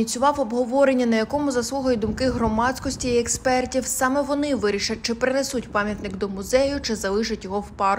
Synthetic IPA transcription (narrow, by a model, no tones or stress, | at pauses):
it͡sʲʊʋɑwɔbɦɔʋɔɾenʲːɐnɐjɐkɔmʊzɐsˠuɦɐjid̪ʊmkɪɦrɔmɑsʲkɔsʲtʲiːɛkspɛrtʲiwsɑmɛʋɔnɪʋɪɾʲiʃɐt̚ʲt͡ʃɪpɾɪnɛsutʲpɑmʲjɐt̪nɪkd̪ɔmʊzɛjʊt͡ʃɪzɐlˠɪʃɐtʲjɔɦɔwpɑr